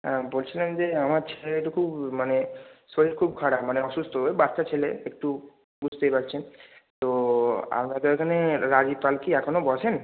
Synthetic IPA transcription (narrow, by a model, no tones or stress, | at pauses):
ãbolt͡ɕʰilend͡ʑeamaɾt͡ɕʰeleeʈukʰubmanesoɾiɾkʰub̚kʰaɽamaneɔʃust̪oebaɾʃat͡ɕʰeleek̚ʈu | bud͡ʑʱt̪epaɾt͡ɕʰent̪oa̰mɾakeekʰaneɾad͡ʑipalkiɛkʰonobɔʃʰen